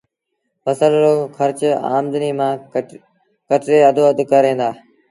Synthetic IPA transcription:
pəsəlɾoːxʰəɾt͡ɕa̰ːmd̪əniːmãː | kəʈɾeːəd̪ʱoːəd̪kəɾẽːnd̪aː

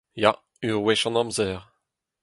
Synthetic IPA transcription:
ja | yʁwɛʃɑ̃nɑ̃mzɛːʁ

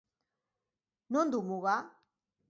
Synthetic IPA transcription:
nond̪umuɣa

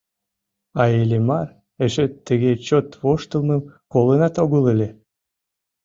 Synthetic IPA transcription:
ɑelʲemɑr | eʃet̪ːəɣet͡ɕot̪βoʃt̪əlˠməmkolənɑt̪oɣələlʲe

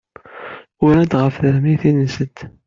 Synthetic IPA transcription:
ʊɾæd̪ʁəfðəɾmiθinəsəd̪

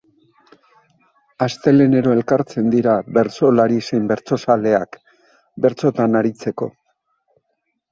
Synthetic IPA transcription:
ast̪e̞le̞ne̞ɾo̞e̞lkaɾt͡se̞nd̪iɾaβe̞ɾt͡so̞laɾise̞jmbe̞ɾt͡so̞sale̞ak | be̞ɾt͡so̞t̪anaɾit͡se̞ko̞

